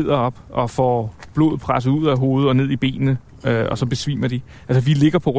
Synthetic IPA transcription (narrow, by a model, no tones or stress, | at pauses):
ð̰ˠɐɒ̽b̥ɒ̽fɒ̰ːb̥lo̝ːð̩ˠpʰʁasð̩ˠuð̞̰ˠæɦo̝ːð̞̩ˠɒ̽ne̝ð̰ˠib̥e̝̰ːnnə | øɒ̽sɒ̽b̥e̝sʋḭːmɐd̥i | ælsɐʋile̝ɡ̥ɐpʰɒ̽ʁ